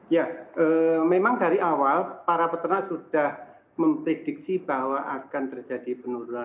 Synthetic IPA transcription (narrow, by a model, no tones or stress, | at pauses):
jaʔəːmemaŋdaɾiʔawalpaɾapət̪ənasud̥ah | məmpɾed̥ɪk̚sib̥ahwaʔakant̪ərd͡ʒadipənuɾuna